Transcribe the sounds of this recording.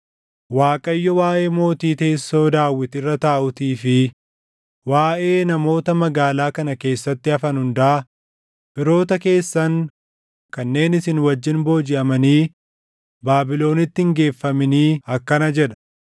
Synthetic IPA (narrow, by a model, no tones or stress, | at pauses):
waːkʼɐjːɔwaːʔe̞ːmo̞ːt̪iːt̪eːsːo̞ːd̪aːwːɪt̪ɪrːɐt̪aːʔʊt̪iːfɪ | waːʔe̞ːnɐmo̞ːt̪ɐmɐɡaːlaːkɐnɐke̞ːsːɐt̪ːɪɐfɐnhʊnd̪ɐʔɐ | bɪɾo̞ːt̪ɐke̞ːsːɐŋ | kɐnːe̞ːnɪsɪnwɐd͡ʒːɪnbo̞ːd͡ʒɪʔɐmɐniː | baːbɪlo̞ːnɪt̪ːɪɪŋɡe̞ːfːɐmɪniːɐkːɐnɐd͡ʒɛᶑɐ̥